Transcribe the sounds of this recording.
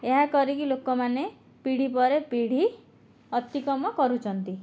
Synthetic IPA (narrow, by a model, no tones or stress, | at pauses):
eɦakɔɾikilokɔmane | piɽ̤ipɔɾepiɽ̤i | ɔt̪ikɔmɔkɔɾut͡ʃʰɔnt̪i